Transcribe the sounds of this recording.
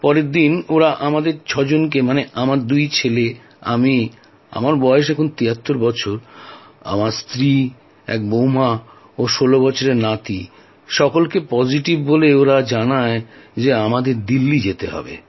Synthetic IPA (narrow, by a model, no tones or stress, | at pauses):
pɔɾed̪inoɾaʔamad̪eɾt͡ɕʰɔd͡ʑonk̬emaneʔamaɾd̪ujt͡ɕʰele | a̰mi | a̰maɾbɔeeʃɛkʰont̪iɦat̪ːoɾbɔt͡ɕʰoɾ | a̰maɾst̪ɾi | ɛ̰k̚bowma | oʃolobɔt͡ɕʰoɾeɾnat̪i | ʃɔkolkepɔd͡ʑiʈibːoleoɾad͡ʑanaed͡ʑeamad̪eɾd̪ilːid͡ʑet̪eɦɔ̰bḛ